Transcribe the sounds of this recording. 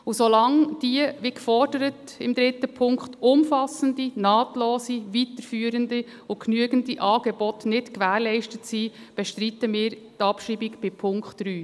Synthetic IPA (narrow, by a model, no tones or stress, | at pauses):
ʊsolɑŋd̥iəʋikfɔrdəɾət | ɪmd̪ɾɪtːəpʰʊŋkχtʊmfɑsən̩dinɑːtloːsiʋitəɾfyːəɾəndi | ʊknyəɡən̩diʔɑːɡɛbɔtnɪtkʋæːɾlɛɪʃtətsi | b̥ɛʃtɾitəmɪːɾtɑpʃiːbikb̥ɪpʰʊŋkχtd̥ɾyː